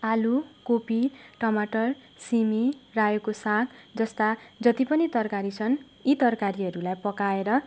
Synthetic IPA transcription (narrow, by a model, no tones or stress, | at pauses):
alukopiʈʌmaʈʌr | simirajokosãkʰd͡zʌst̪ad͡zʌt̪ipʌnit̪ʌrkaɾit͡sʰʌn | it̪ʌrkaɾiɦʌɾulajpʌkaeɾʌ